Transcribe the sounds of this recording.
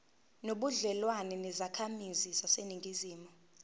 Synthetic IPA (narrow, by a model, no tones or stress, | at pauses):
noɓuɮɛlwanɛnɛzakʰamizisaseniŋɡʱiziːmu